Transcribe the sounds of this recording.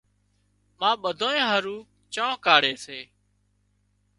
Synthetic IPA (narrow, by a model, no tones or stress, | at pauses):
mãːɓəd̪ʱoːẽːɦəɾuː | t͡ʃãːkaːɽeːseː